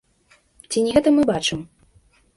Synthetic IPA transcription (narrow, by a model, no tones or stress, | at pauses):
t͡sʲinʲɛɣɛt̪ɐmɨbat͡ʂɨm